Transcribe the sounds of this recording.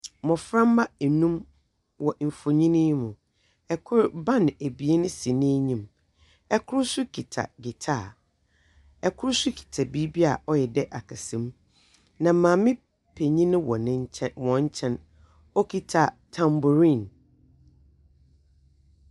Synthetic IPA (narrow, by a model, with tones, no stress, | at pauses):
mɔ̃˨fɾã˦mː˦a˦ɛ˨nũ˦m | wɔ˨m̩˨fo˨ɲĩ˦nɪ̃˦mũ˨ | ɛ˨kʰʊ˦ɾbã˦n˨æ˨bi˨e˦nʊ̃˦si˨nɪ̃˦e˦ɲĩ˨m | ɛ˦kʰʊ˦ɾsʊ˦kʰi˨tʰa̰˨ɡɪ˨tʰa˦˨ | ɛ˨kʰʊ˦ɾsʊ˦kʰi̥˨tʰa˨bi˦bi˦a˨ʔɔ˦jɛ˨dɛ˦ʔa˨kʰa˨sɛ̃˨m | nã˨˦mãː˨mɪ̃˦ | pʰe˨ɲĩ˦nɪ̃˦wɔ˨ñ˦wɔ̃˨ɲ̩˦t͡ɕʰɛ̃˦n | ɔ˦kʰi˦tʰa˨ | tʰã˨mbʊ˨ɾĩ˦˨n